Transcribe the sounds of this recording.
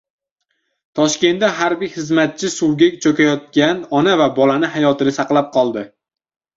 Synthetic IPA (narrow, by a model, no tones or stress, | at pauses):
t̪ʰɒʃkʲe̞nd̪aɦaɾbɪjhɨzmat̪̚t͡ʃʰɪsuwɡʲekʲt͡ʃʰokʲajɒt̪̚kʲanɒnavabɒlanɪɦajɒt̪ɪnɪsɑqlˠap̚qʰɒlˠd̪ɪ